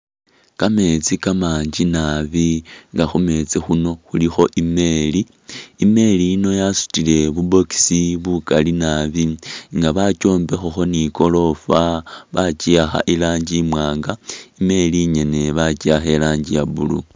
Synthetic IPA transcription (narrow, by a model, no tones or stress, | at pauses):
kame̞t͡sikamaːɲd͡ʒinaβiŋɡaxume̞t͡sixuno̞xulixo̞ʔime̞liː | me̞liːno̞jasu̥tile̞βubo̞ki̥siβukalinaβiŋɡaβaco̞ːmbe̞xoxo̞niko̞lo̞faβat͡ʃiaxa̰ʔilaːɲɟimwaːŋɡaime̞liɲe̞ne̞βat͡ʃiaxe̞laːɲɟijaβulṵ